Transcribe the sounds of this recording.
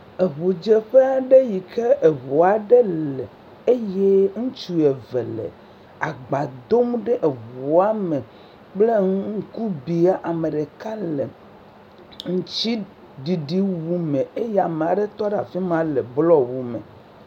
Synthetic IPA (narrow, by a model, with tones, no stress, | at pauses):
e˨βu˨d͡ʒe˦ɸe˦a˨ɖe˦ji˨ke˦ʔe˨βo˨a˨ɖe˦lɛ˨ | e˦je˦ŋũ˦t͡ʃu˦ɛ˨ve˨lḛ˨ | a˨ɡ͡ba˨d̪o˦mɖe˦ʔe˨βu˨a˦me˨ | k͡ple˦ŋ˦ŋ̩˦ku˦bi˨a˦ʔa˨me˨ɖe˨ka˦lḛ˨ | ŋ̩˦t͡ɕi˦ | ɖi˨ɖi˦wu˦mẽ˨e˦jɛ˦a˨me˨a˨ɖe˦t̪ɔ˦ɖa˨fi˦mã˦le˨blɔ˦wu˨mḛ˨